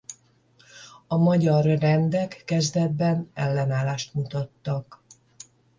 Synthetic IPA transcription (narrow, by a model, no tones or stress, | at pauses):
ɒmɒɟɒrːɛnd̪ɛkːɛzd̪ɛd̪bɛnɛlːɛnaːlaːʃt̪mut̪ɒt̪ːɒk